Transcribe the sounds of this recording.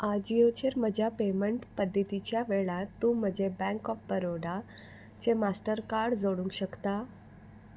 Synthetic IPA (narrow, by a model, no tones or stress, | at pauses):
ad͡ʑijot͡ɕeɾməd͡ʑʱjapeməɳʈpəd̪ʱːət̪it͡ɕjaʋeɭat̪ːũm̤əd͡ʑʱebɛ̃ŋkɔfbəɾoɽa | t͡ɕemasʈəɾkaɾɽd͡zoɽũŋkɕəkt̪a